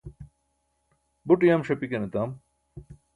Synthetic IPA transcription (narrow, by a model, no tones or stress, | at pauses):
buʈijamɕɐpikenet̪aːm